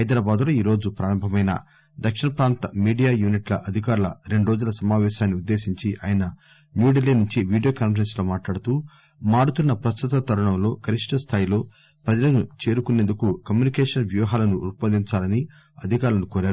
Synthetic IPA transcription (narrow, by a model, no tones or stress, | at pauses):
ɦɐjd̪ɾaːbaːd̪loːiːɾo̞ːd͡ʒupɾaːɾɐmbʱɐmɐjnɐ̰ | d̪ɐkʂiɳɐpɾaːnt̪ɐmiːɖijaːjuːniʈlɐ̰ʔɐd̪ʱikaːɾulɐ̰ɾe̞ɳɖuɾo̞ːd͡ʒulɐsɐmaːʋɛːʃaːnːiud̪ːe̞ːsiɲt͡ʃiʔa̰ːjɐnɐ | njuːɖilːiːnuɲt͡ʃiʋiːɖijo̞ːkaːnfɐɾenslo̞ːmaːʈlaːɽut̪uː | maːɽut̪unːɐpɾɐst̪ut̪ɐt̪ɐɾuɳɐmlo̞ːkʰɐɾiʂʈɐst̪ʰaːjilo̞ː | pɾɐd͡ʒɐlɐnut͡ʃe̞ːɾukunend̪ukukɐmjunikɛːʂɐnʋjuːɦaːlɐnuːɾpɐnd̪iɲt͡ʃaːlɐni | ɐd̪ʱikaːɾulɐnukoːɾaːɾu